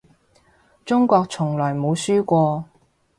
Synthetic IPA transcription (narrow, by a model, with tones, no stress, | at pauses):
t͡ʃʊ˥ŋkʷɔː˧k̚t͡sʰʊ˨˩ŋlɔː˨˩jmo˨˧wsyː˥kʷɔː˧